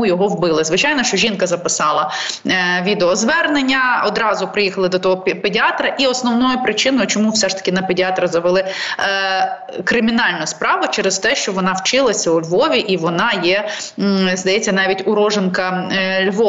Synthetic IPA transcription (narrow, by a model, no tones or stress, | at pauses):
ujɔɦɔwbɪlˠɪzʋɪt͡ʃɑjnɔʃt͡ʃɔʒʲinkɐzɐpɪsɑlˠɐ | ʋʲid̪eɔzʋɛrnenʲːɐɔd̪ɾɑzʊpɾɪjixɐlˠɪd̪ɔt̪ɔɦɔpedʲɪɑt̪ɾɐʔiɔsnɔʋnɔjʊpɾɪt͡ʃɪnɔjʊt͡ʃɔmufsɛʂt̪ɐ̥kʲɪnɐpedʲɪɑt̪ɾɐzɐʋɪlˠɪ | kɾɪmʲinɑlʲnʊspɾɑʋʊt͡ʃɛɾɛst̪ɛʃt͡ʃɔʋɔnɑwt͡ʃɪlˠɐsʲɐʊlʲʋɔʋʲiʔiʋɔnɑjɛ | zd̪ɐjɛt͡sʲːɐnɑʋʲitʲʊɾɔʒenkɐlʲʋɔ